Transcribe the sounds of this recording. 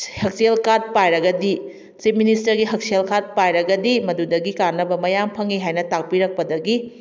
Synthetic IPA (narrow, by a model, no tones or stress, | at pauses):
hɐk̚sielkad̚pajɾɐɡɐdi | t͡ʃip̚ministɐɾɡiɦɐk̚sielkad̚pajɾɐɡɐdimɐdudɐɡikaɾnɐbɐmɐjampʰɐŋiɦajnɐtak̚piɾɐk̚pɐdɐɡi